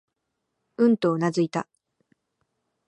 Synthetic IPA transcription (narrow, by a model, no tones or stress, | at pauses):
ɯ̟̃nt̪o̞ːnazɨit̪a̰